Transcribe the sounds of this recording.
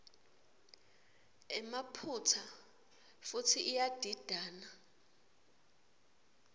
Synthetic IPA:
ɛmapʰutʰa | futʰiʔːjad̥ʱid̥ʱaːna

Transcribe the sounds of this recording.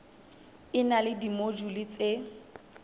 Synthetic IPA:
ɪnalɪdimod͡ʒulɪt͡se

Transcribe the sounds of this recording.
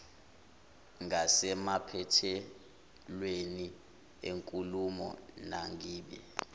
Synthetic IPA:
ŋasɛmapʰɛtʰɛ | lweni | eŋkʼulumɔ̰naŋɡiːɓɛ̰

